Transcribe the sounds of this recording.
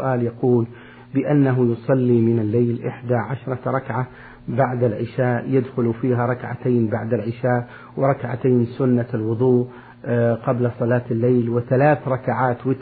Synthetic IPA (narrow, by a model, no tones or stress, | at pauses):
ʔaːljɑquːl | bɪʔanːaɦʊjʊsˤɑlːimɪnalːejlʔɪħd̪aʕaʃɾˤɑɾˤɑkʕa | baʕd̪alʕɪʃaːʔjɪd̪xʊlfiːɦaɾˤɑkʕa̰t̪aːnbaʕd̪alʕɪʃaːʔ | wɪɾˤɑkʕa̰t̪aːnsʊnːalwʊðˤuː | qɑblasˤɑlɑːt̪alːeːlwɪθalaːθɾˤɑkaʕaːt̪wɪt̪